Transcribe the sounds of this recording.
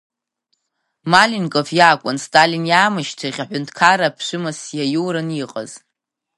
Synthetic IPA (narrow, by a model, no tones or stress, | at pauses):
malinkʼofjaːkʷʼʊnstʼalinjaːmɨʃtʰaχʲaħʷᶣʊntʼʰkʰarapʰʃʷɨmasjajuwɾaniqʼə̰z̥